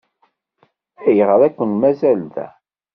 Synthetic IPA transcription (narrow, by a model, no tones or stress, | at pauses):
æjʁəɾækʷːənmæzælðæ̰